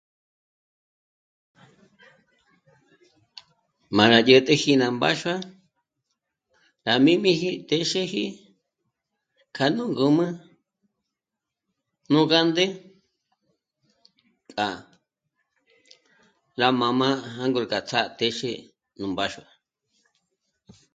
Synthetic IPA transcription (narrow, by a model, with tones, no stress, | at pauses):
mã˨ɾa˨jə˧t̪e˦hi˧nã˧˨mba̰˦ʃwa˦ | ɾa˨mĩ˦mĩ˦ɦi˦t̪e˧ʃe˦hi˦ | kʰa˧nũ˦ŋɡu˧mɨ̃˦ | nũ˦ka˦nd̪e˦ | kʼa˨ | ɾa˧mã˧mã˦a˦ŋɡu˧ɾka˨t͡sʰa˦t̪e˦ʃe˦˧ | nũ˨mba˦ʃu˧a˨